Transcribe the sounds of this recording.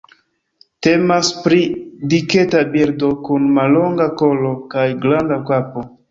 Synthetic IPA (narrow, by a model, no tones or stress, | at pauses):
te̞maspɾidike̞tabiɾdo̞kunmalːo̞ŋɡako̞lo̞kajɡlandakapo̞